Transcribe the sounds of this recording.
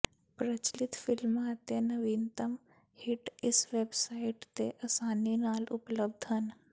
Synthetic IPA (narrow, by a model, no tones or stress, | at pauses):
pɾət͡ʃlɪt̪fɪlmat̪enɐʋiːnt̪əm | hɪʈɪsʋeːbsaːiʈt̪eʔɐsaːninaːlʊpləb̚d̪ʱɦən